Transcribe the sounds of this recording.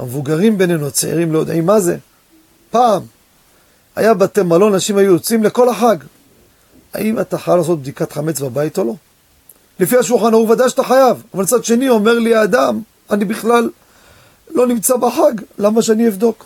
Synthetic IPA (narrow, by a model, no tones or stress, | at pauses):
a̰mevuɡaʁimbe̞nenuat͡seḭʁimleo̞d̪a̰imːaze̞ | paːm | a̰jabat̪emalo̞naʃimhajuot͡simleko̞laħaɡ | a̰ʔimat̪aχajalaːs̬o̞t̪̚b̚d̪ikat̪χamet͡sbabait̪o̞lo̞ | lefiaʃ̬ulχanauvad̪ajʃḁt̪aχajavavalt͡sad̪ʃenio̞me̞ʁliaːd̪am | anibiχlalː | o̞nimt͡sabaħaɡlamaʃeanievd̪o̞k